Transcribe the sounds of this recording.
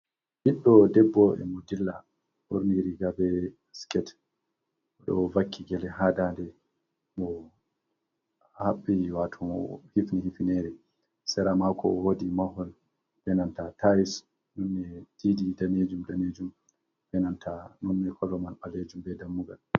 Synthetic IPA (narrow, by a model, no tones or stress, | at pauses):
hiɗːɔdɛbːɔʔɛ̰mɔdilːa | ʔo̰ɾniɾiɡabɛ | skɛt | ɔɗɔvakʰːiɡɛlɛɦadandɛ | mɔ | haɓːiwatʰumhifnihifinɛɾɛ | sɛɾamakʰɔ̰wodimahɔl | bɛnantatʰais | nɔnːɛd̥ididaned͡ʒumdaned͡ʒum | bɛnantʰanɔnːɛkʰɔlɔmanɓaled͡ʒumbɛdamːuɡa̰l